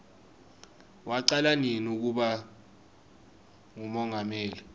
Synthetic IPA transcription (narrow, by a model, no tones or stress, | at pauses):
waǃalaninuk̬uɓa | ŋumɔŋʱameːli